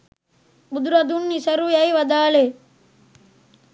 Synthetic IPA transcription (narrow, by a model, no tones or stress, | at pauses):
bud̪ɾɐd̪unːisɐɾujajʋɐd̪aːle